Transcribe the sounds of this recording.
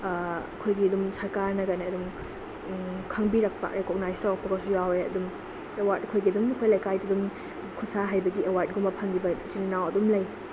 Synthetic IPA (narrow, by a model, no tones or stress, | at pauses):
ɐkʰojɡiɐdumsɐɾkaɾnɐɡaneɐdum | kʰɐŋbiɾɐk̚pa̰ʔɾekɔk̚najsawpʰɐkasujaweɐ̰dum | ewatɐkʰojɡiɐdumikʰojlajkajdidum | kʰutsaɦajbɐɡiewaɾt̚ɡumɐpʰɐŋɡibɐd͡ʒininawɐdumlɐj